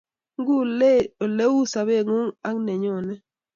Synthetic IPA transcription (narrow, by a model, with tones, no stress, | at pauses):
ŋɡu˦o˨le˦wu˦sa˨βe˦˨ŋu˦ŋa˦ŋne˨ɲo˦˨nɛ˦